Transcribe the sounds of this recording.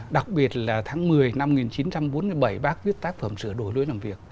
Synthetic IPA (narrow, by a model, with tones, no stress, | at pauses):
ɗa˨˩k̚ɓi˨˩ət̚laː˨˩t̪ʰaː˨˦ŋmɨ˨˩əjna˧mŋi˨˩nt͡ɕi˨˦nt͡ɕa˧mɓo˨˦nmɨ˧˩əjɓə˧˩jɓaː˦˥k̚vi˦˥ət̚t̪aː˦˥k̚fə˧˩msɨ̰˧˩əɗo̰˧˩jlṵ˧˦naː˨˩mvi˨˩ək̚